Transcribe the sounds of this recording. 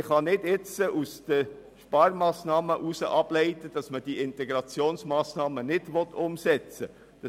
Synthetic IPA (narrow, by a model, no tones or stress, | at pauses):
χɑnɪdɪt͡səʔusd̪̥ə | ʃpɑːɾmɑːsnɑːməʔusəʔɑb̥lɛɪt̪əd̥ɑsməd̥iɪntɛɡɾɑt͡sjoːnsmɑːsnɑːmənɪd̥ʋɔt̪ʰːʊmsɛt͡sə | d̥ɑ